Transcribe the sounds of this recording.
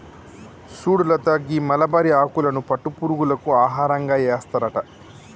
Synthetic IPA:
suːɽulɐt̪ɐɡimɐlɐbɐɾiaːkulɐnupɐʈːupuːɾuɡulɐkuaːɦaːɾɐŋɡaːeːst̪ɐɾɐʈɐ

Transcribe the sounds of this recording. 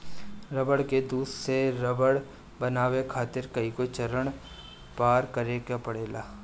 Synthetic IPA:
ɾɐbəɽked̪uːsseɾəbəɽ | bənaːwekʰaːt̪ɪɾkɐikot͡ʃɐɾəɳ̃ | paːɾkɐɾeɡapɐɽeːlaː

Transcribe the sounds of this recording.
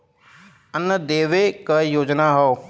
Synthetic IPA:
ənːəd̪eːʋekəjoːd͡ʒnaɦɔː

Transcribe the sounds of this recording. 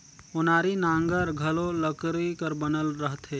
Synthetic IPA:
ʊnaːɾinãːŋɡəɾɡʱəlõləkɾikəɾbənəlɾəɦt̪ɦeː

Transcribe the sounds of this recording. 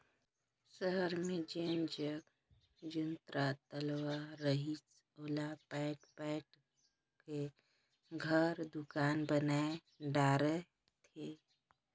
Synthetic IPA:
ʃəɦəɾmẽd͡ʒeːnd͡ʒək | d͡ʒʊnt̪ɾat̪əlwaɾəɦit͡ʃ | oːlapɛːʈpɛːʈ | ke | ɡʱəɾd̪ʊkaːnbəna | ɖaːɾə | t̪ʰeː

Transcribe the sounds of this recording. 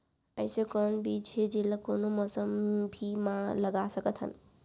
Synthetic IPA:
əɪsekənbid͡ʒed͡ʒilakonoməsəmbʱimãləɡasəkət̪ɦə̰n

